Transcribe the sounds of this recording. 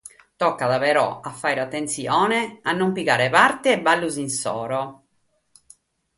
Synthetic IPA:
t̪ɔkːaðaveɾɔ̰afːajɾat̪ːent̪siɔːneanːompiɣaːɾepaɾt̪eːbalːuzinsɔ̰ːɾo

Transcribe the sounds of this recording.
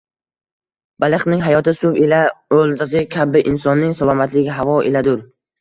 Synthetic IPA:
b̥alˠɨχnɪŋɦajɒt̪ʰɪsʊvelaolˠd̪ɪʁɪkʲʰabɪʔɪnsɒnːɪŋsalˠɒmat̪lɪɡʲɪɦavɒʔelad̪ʊɾ

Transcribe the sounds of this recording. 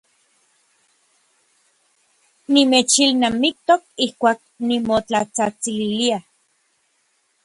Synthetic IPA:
nimet͡ʃilnamik̚t̪ok̚ihkʷaːk̚nimot͡ɬat͡sat͡sililia

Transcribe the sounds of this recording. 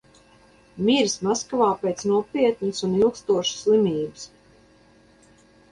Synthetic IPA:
mʲiɾsmaskavaːpʲet̪snuɔpʲiɛt̪nəsunilˠkst̪uɔʃu̥slˠimʲiːbɨs

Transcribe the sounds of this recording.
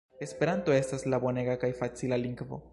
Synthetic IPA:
e̞spe̞ɾant̪o̞e̞staslabo̞ne̞ɡakajfat͡silaliŋɡvo̞̰

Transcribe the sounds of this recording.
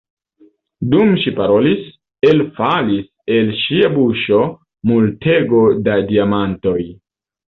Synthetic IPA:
dumʃipaɾolis | elfalis | e̞lʃiabuʃo | multʰeɡo̞dadiamanto̞j

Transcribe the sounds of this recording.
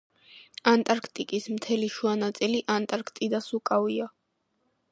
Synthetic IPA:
ant̪ʼaɾkʰt̪ʼikʼismt̪ʰɛliʃuanat̪sʼiliʔant̪ʼaɾkʰt̪ʼid̪asukʼavia

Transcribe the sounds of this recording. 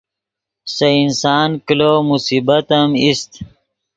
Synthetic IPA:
sɐinsɑːnkiloːmusiːbɐt̪əmist̪

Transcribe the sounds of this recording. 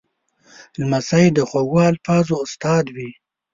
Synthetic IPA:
lmasajd̪əxoɡwaalfɑːzoːst̪ɑːd̪wi

